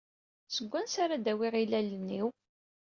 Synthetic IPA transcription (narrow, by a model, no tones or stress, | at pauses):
səɡʷːænsaɾad̪æwiʁilælənːiw